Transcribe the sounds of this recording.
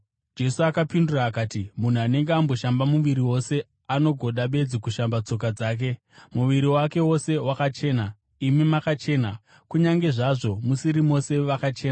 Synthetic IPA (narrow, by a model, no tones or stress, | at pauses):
d͡ʒe̞suakapinduraːkaːtimun̤uane̞ŋɡeambo̞ʃambamuʋiɾiwo̞se̞ | ano̞ɡʱo̞ɗaɓe̞d͡zikuʃambat͡so̞k̬ad͡zaːk̬e̞ | muʋiɾiwake̞wo̞se̞wakat͡ʃe̞ːna | imimakat͡ʃe̞ːna | kuɲaŋɡe̞ʐaʐo̞musiɾimo̞se̞ʋakat͡ʃeːna